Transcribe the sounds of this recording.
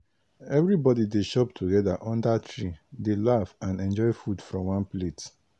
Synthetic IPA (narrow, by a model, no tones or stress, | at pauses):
ɛvɾibɔdideʃɔptʰuɡɛdaʔɔ̃ndatʰɹidelafãnɛ̃nd͡ʒɔɪfudfɹɔ̃mwãnplet